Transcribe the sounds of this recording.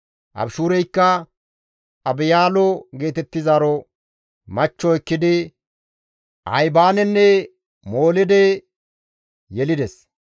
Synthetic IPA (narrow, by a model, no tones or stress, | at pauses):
ʔɐ̰bʃuːɾɛjkːɐ | ɐbɪjaːlɔɡe̞ːt̪ɛt̪ːɪzaːɾɔ | mɐt͡ʃːɔɛkːɪd̪ɪ | ʔɐ̰jbaːnɛnːɛ | moːlɪd̪ɛ | jɛlɪd̪ɛs